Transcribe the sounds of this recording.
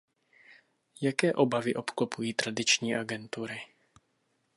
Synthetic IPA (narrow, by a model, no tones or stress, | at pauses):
jakɛːʔo̞bavɪʔo̞pklopujiːt̪ɾadɪt͡ʃɲiːʔaɡɛnt̪uɾɪ